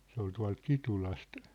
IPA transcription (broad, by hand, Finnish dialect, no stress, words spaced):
se ol tuɑ̝lt kitulɑst